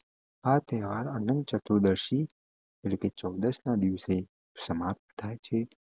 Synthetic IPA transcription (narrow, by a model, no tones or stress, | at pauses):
at̪ɛɦʋaɾənənd̪̚t͡ʃət̪ud̪əɾʃi | eʈleket͡ʃəwd̪əsnad̪iʋse | səmap̚t̪t̪ʰːajt͡ʃʰe